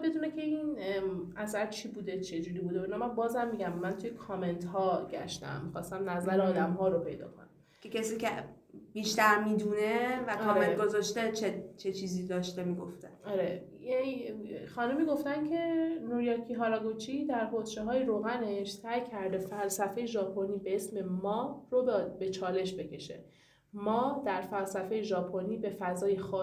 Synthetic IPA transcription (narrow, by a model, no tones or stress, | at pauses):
be̞d̪uːnecʲʰe̞inʔæsæɾt͡ʃʰibuːd̪e̞t͡ʃʰe̞d͡ʒuːɾiːbud̪einɒmæmbɒːzhæmːiɟæmːænt̪ʰujekʰɒːme̞nt̪ɦɒːɟæ̰ʃt̪æ̰mmːixɒːst̪æmnæzæɾeɒːd̪æmɦɒːɾopʰe̞jd̪ɒ̰ːkʰo̰nææ | cʰʲecʰesiːcʰe | b̥iːʃt̪æɾmiːd̪unevækːʰɒːmment̪ɡozɒʃt̪et͡ʃʰet͡ʃʰet͡ʃʰiːziːd̪ɒːʃt̪emiːɡo̰ft̪eɒɾeje | xɒːnumiːɡo̞ft̪æncʰe̞nuɾjɒːkʰiɦɒːɾɒɡot͡ʃʰid̪æɾpʰot̪ʃeɦɒːjeɾoːɣæne̞ʃt̪ʰæjkʰːæɾd̪e̞fælsæfe̞jeʒɒːpʰoniːbe̞esme̞mɒːrobe̞t͡ʃʰɒːle̞ʃbe̞cʰe̞ʃe̞̰ | mɒːd̪æɾfælsæfe̞jeʒɒːpʰoniːbe̞fæzɒːjexɒː